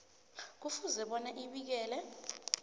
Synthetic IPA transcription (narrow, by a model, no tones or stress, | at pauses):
k̬ufuzɛɓɔnɛʔiɓik̬ɛːlɛ